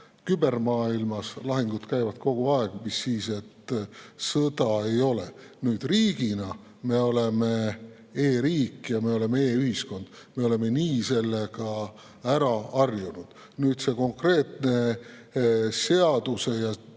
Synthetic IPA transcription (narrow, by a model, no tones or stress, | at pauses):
kybe̞rmɑːilmɑslɑɦiŋɡ̥ud̪̥kæjvɑd̪̥̚ko̞ɡ̥uɑeɡ̥umisːiːse̞t̪ːsɤd̪̥ɑe̞jo̞le | nyːd̪̥riːɡ̥inɑ | me̞o̞leme̞ | eːɾiːkːˑjɑme̞o̞le̞meeːyɦisko̞nd̪̥me̞o̞le̞me̞niːse̞lːeɡ̥ɑ | æɾɑɑrjunud̪̥ | nyːd̪̥se̞ko̞ŋkre̞ːt̪ne̞ | se̞ɑd̪use̞jɑ